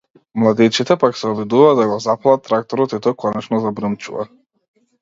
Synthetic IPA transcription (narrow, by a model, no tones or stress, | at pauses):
mlˠad̪ɛt͡ʃit̪ɛpaksɛɔbid̪uvaːd̪aɡɔzapalˠat̪ːɾak̚t̪ɔɾɔt̪it̪ɔkʰɔnɛt͡ʃnɔzabɾəmt͡ʃṵva̰